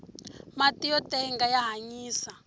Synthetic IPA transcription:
matijɔtɛŋɡajaɦaɲiːsa

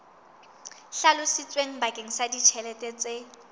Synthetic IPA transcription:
ɬalʊsɪt͡sʼweŋ̩bakʼeŋ̩sadit͡ʃʰɛlɛtʼɛt͡sʼe

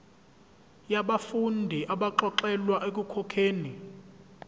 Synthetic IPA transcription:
jaɓafundʱiʔaɓaǃɔǃɛlwaʔek̬ʼukʰɔkʰeːni

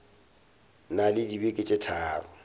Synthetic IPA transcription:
nalɪdibekʼɪt͡ʃʼɪtʰaːrɔ

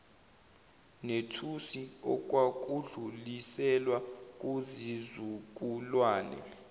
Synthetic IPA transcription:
netʰusiɔk̬ʼwak̬ʼuɮulisɛlwak̬ʼuzizuk̬ʼulwaːnɛ̰

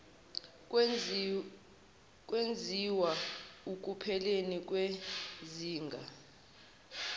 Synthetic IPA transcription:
k̬ʼwend͡zʱiwauk̬ʼupʰɛlenik̬ʼweziːŋɡʱa

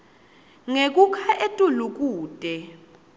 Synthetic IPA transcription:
ŋek̬ʼukʰaʔetʼuluk̬ʼuːtʼɛ

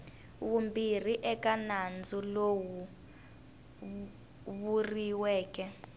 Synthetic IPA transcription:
wumbir̤iʔɛkanand͡zʱulowu | βuriwɛːkʼɛ

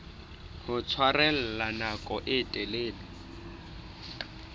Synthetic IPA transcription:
hʊt͡sʰwarɛl̩lanakʼɔʔɪtʼɛleːlɪ

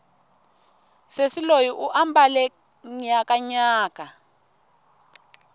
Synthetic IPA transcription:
sesilojiʔuʔambalɛ | ɲakaɲaːka

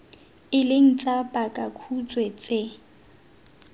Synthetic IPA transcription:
ɪlɪŋ̩t͡sʼapʼakʼakʰut͡sʼwɛt͡sʼe

